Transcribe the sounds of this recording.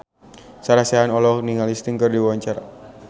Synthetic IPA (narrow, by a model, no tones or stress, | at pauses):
saɾaseanɔlɔhniŋalist̪iŋkərdiwaɲt͡ʃaɾa